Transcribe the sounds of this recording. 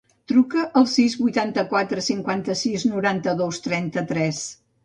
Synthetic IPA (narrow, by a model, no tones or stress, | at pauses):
t̪ɾukəʔəlˠsizβujt̪ant̪əkwat̪ɾəsiŋkwant̪əsiznuɾant̪əðost̪ɾɛnt̪ət̪ɾɛs